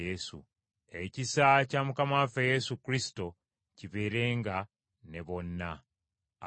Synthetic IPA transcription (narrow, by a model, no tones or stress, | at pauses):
esṵ | e̞cisacamukamafeje̞sukɾisi̥to̞ | ciβe̞ːɾe̞ːŋɡa | ne̞βo̞nːa